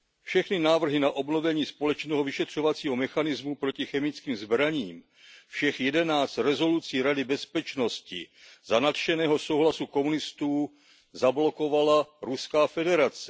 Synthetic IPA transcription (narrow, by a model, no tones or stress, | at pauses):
fʃɛxnɪnaːvr̩ɦɪnaʔo̞bno̞vɛɲiːspo̞lɛt͡ʃnɛːɦovɪʃɛt̪r̝̥o̞vat͡siːɦo̞mɛxanɪzmupɾo̞cɪxɛmɪt͡skiːmzbɾaɲiːm | fʃɛxjɛdɛnaːt͡st̪ɾɛzo̞lut͡siːɾadɪbɛspɛt͡ʃno̞scɪ̰zanat̪ʃɛnɛːɦoso̞wɦlasuko̞munɪst̪uː | zablo̞ko̞valaɾuskaːfɛdɛɾat͡sɛ̥